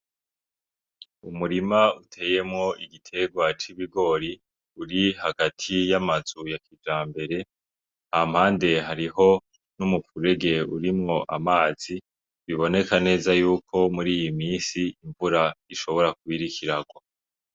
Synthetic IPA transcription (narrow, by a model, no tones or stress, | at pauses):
umuɾimautʰe̞ːje̞mŋo̞ʔiɡitʰe̞ɡwat͡ʃiβiɡo̞ːɾi | uɾihaɡatʰijamazujakid͡ʒaːmbe̞ɾe̞ | ham̥haːnde̞ɦaɾiho̞ | numufuɾe̞ɡe̞uɾimŋo̞ʔamaːz̥i | βiβo̞ne̞kane̞ːzajuːkʰo̞muɾiːjimiːnsiːɱvuɾaiʃo̞βo̞ɾakuβiɾikʰiɾaɡwa